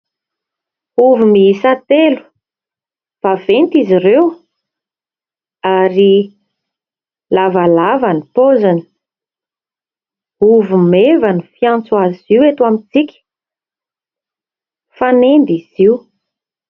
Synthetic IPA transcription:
uvumisat̪elu̥ | v̥avent̪izirew | aɾi | lavalavanipozani̥ | uvumevanifiãnt͡swaziwet̪uamit͡sikʲə̥ | fanend̪iz̥iu

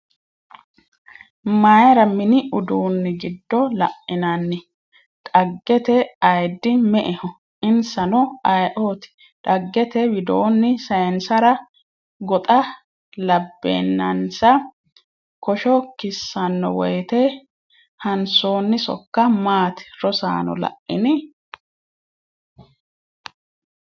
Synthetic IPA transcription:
majɾɐmɪnɪʔʊd̪uːnːɪɡɪd̪ːɔlɐʔːɪnɐnːɪ | ᶑ̪ʼɐɡːɛt̪ɛɐjd̪ːɪmɛʔɛhɔ | ʔɪnsɐnɔɐjʔoːt̪ɪ̥ | ᶑɐɡːɛt̪ɛwɪd̪oːnːɪsɐjɛnsɐɾɐ | ɡɔt̪ʼɐ | lɐbːḛːnːɐnsɐ | kɔʃɔkɪsːɐnːɔ̰wɔjt̪ɛ | hɐnso̞ːnːɪsɔ̰kːɐmaːt̪ɪ̥ɾɔsa̰ːnɔ̰lɐ̰ʔːɪ̰nɪ

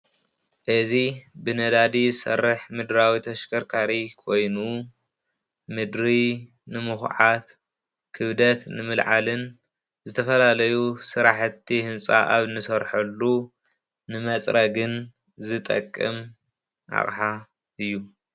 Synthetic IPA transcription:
ʔɨzibɨnɐd̪ad̪iɨsɐ̰rːɨħmɨd̪ɾawit̪ʰɐʃkʰɐɾkʰaɾikʰo̞jnu | mɨd̪ɾi | nɨmuxʕat̪ | kʰɨβd̪ɐt̪nɨmɨlʕalɨn | zɨt̪ʰɐfɐlalɐjusɨɾaħt̪ʰːihɨnsʼaʔaβnɨsɐɾħɐlːu | nɨmɐt͡sʼɾɐɡɨn | zɨt̪ʼɐ̰kʼːɨm | ʔa̰χʼħa | ɨjːu

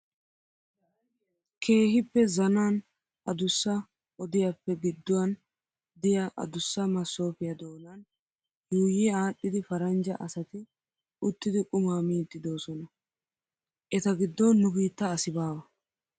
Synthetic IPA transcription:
kʰe̞ːhɪpːɛzɐnaːn | ʔɐd̪ʊsːɐ | ʔɔd̪ɪjɐpːɛɡɪd̪ːʊwɐn | d̪ɪjɐʔɐ̰d̪ʊsːɐmɐsːo̞ːfɪjɐd̪o̞ːnɐn | juːjɪaːɗːɪd̪ɪfɐɾɐnd͡ʒɐ̰ʔɐsɐt̪ɪ | ʊt̪ːɪd̪ɪkʼʊmaːmiːt̪ːɪd̪o̞ːsɔnɐ | ʔɛt̪ɐɡɪd̪ːɔnːʊbiːt̪ːɐːsɪbaːbɐ

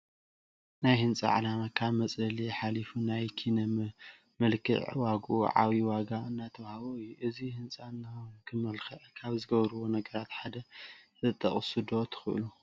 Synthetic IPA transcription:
najhɨnt͡sʼɐ̰ʕa̰lamakʰaβmɐt͡sʼɐliħalifunajkʰinɐm | mɨlkʰɨ̰ʕwaɡuʕa̰βiwaɡaɨnːajt̪ʰɐβhaβoɨjuʔɨzihɨnt͡sʼaɨnːɨxonukʰɨmɐlxɐʕkʰaβzɨɡɐβɾɨβo̞nɐɡɐɾat̪ħad̪ɐzɨt̪ʼːɐχʼsud̪o̞t̪ʰɨ̥xɨʔɨ̰lu

